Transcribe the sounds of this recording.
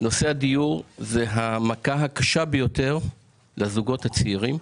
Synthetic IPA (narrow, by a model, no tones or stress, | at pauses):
no̞seadijuʁzeɦamakaɦakaʃabejo̞te̞ʁ | lezuɡo̞that͡siiʁim